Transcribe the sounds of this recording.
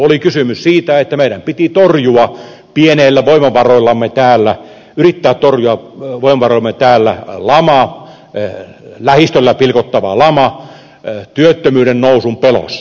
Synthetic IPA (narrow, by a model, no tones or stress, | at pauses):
olikysymyssiːt̪æet̪ːæmeiɾæmpit̪it̪orjuɑ | pieneːlːæʋoimɑʋɑroilːɑmːet̪æːlːæ | yrit̪ːæːt̪t̪orjuɑʋoimɑʋɑroilɑmet̪æːlːæ̰lɑmɑ | læhist̪ølːæpilkot̪ːɑʋɑ̰lɑmɑ | t̪yøt̪ːømyːɾennousumpelo̰sːɑ